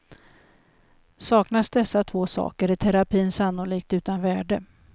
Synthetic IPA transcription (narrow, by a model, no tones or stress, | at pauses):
sɑːknasd̪ɛsːat̪ʰvoːsɑ̰ːkəɾɪt̪ʰɛɾapʰiːnsanːʊliːk̚t̪ʉ̟ːt̪anvæːɖə